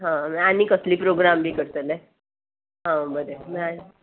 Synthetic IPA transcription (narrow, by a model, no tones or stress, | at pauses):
ɦãmanikəsliːpɾoɡɾambʱiːkəɾt̪əle | ɦãbəɾeman